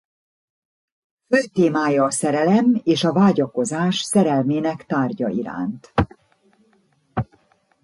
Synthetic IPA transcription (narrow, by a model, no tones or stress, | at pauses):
føzt̪eːmaːjɒːsɛɾɛlɛmeːʃɒvaːɟɒko̞zaːʃsɛɾɛlmeːnɛkt̪aːrɟɒiɾa̰ːnt̪